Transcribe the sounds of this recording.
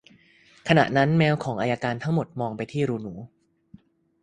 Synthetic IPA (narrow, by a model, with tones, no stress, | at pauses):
kʰa˧na̰˨˩ʔna˦˥nmɛː˦˥wkʰɔː˩˦ŋʔaː˧jaː˧kaː˧nt̪ʰa˦˥ŋmo˨˩t̪̚mɔː˧ŋpa˧jt̪ʰiː˥˩ɾuː˧nuː˩˦